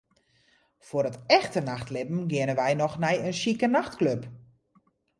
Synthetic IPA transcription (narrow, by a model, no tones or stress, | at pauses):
fʊəɾətɛxtənaxtlɪbm̩ɡɪənənʋɛjnɔxnɛjənsikənaxtkløp